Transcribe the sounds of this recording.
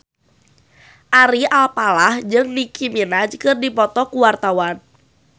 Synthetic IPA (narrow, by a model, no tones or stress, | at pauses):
ʔaɾialpalahd͡ʒɨŋnikʰiminad͡ʒkɨrdipɔt̪ɔkuwart̪awan